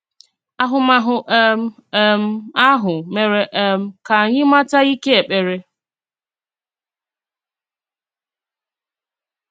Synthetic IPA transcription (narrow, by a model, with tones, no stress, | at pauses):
a˦ɦʊ˨ma˦ɦʊ˨ʔm˦ | m̩˦a˦ɦʊ˨me˨ɾe˨ʔm̩˦ka˨a˨ɲɪ˦ma˦ta˦i˦ke˦e˨k͡pe˨ɾe˦